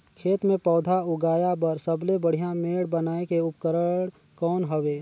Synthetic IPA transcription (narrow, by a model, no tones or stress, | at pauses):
kʰeːt̪mẽpɔːd̪ʱaʊɡaːjabəɾsəblebəɽ̤ijameːɽbənaːekeʊpkəɾəɽ | kɔːnɦəʋeː